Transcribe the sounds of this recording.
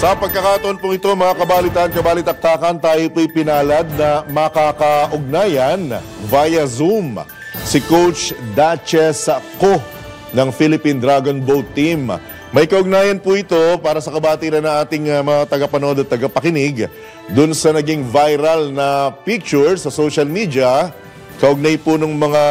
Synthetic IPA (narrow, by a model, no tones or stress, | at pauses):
sɐpɐɡ̚kɐkaːɐt̪oʔonpʊŋɪt̪o̞mɐŋakɐbaːlit̪aʔɐnkɐbaːlɪt̪ɐk̚t̪aːkɐnt̪aːjopuɐjpɪnaːlɐd̪̚nɐmɐkakɐʔʊɡ̚naːjɐn | vajɐzum | sɪkowt͡ʃd̪at͡ʃɛsɐko | nɐŋfilɪpind̪ɾaɡonbowt̪ːim | mɐjkɐʔʊɡ̚naːjɐnpuʔɪt̪o̞paːɾɐsɐkɐbaːt̪iɾɐnːɐŋʔaːt̪ɪŋmɐŋat̪ɐɡɐpɐnʔod̪ɐt̪ːɐɡɐpɐkɪnɪɡ | d̪ʊnsɐnɐɡiŋvajɾɐlnɐpik̚t͡ʃʊɹsɐsoʃɐlmid̪ɐ | kɐʔʊɡ̚najpʊnɐŋmɐŋa